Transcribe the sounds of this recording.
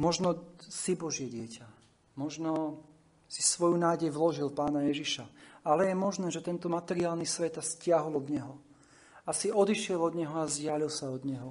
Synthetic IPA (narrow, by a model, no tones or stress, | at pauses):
mɔʒnɔsibɔʒɪjɛɟɪɛca | mɔʒnɔ | sisʋɔjunaːɟɛjʋlɔʒilpaːnajɛʒiʃaalɛjɛmɔʒnɛːʒɛt̪ɛnt̪ɔmat̪ɛɾiaːlnisʋɛt̪ascɪaɦɔlɔd̪ɲɛɦɔ | asiɔd̪iʃɪɛlɔd̪ɲɛɦɔazɟɪalilsaɔd̪ɲɛɦɔ